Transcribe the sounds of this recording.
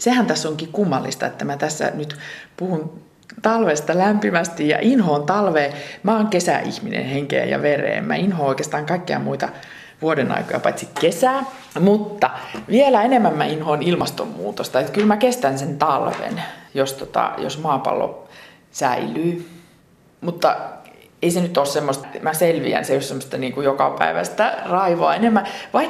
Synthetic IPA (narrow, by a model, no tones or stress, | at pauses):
sehænt̪æsːoŋkikumːɑlːist̪ɑ̰et̪ːæmæt̪æsːæ̰nyt̪puhun | t̪ɑlʋest̪ɑlæmpimæst̪ijɑ̰ʔinhoːnt̪ɑlʋeːmæoŋkesæ̰ḭhminḛnheŋkḛːjɑ̰ʋerḛːmmæ̰inhoːoikeːst̪ɑːŋkɑikːeɑ̰muit̪ɑ | ʋuodenɑ̰ikojɑ̰pɑt̪sikkesæː | mut̪ːɑʋielæenemːæmmæinhonilmɑst̪o̰mmṵːt̪ost̪ɑet̪kylmækest̪ænsent̪ɑlʋḛnjost̪ot̪ɑ̰jo̰smɑːpɑ̰lːo̰ | sæilyː | mut̪ːɑ | eisenyt̪oˑːssemːost̪mæselʋḭæ̰nseyssemːŏst̪ɑniːŋkujokɑpæ̰iʋæ̰st̪ærɑiʋoɑenemːæʋɑi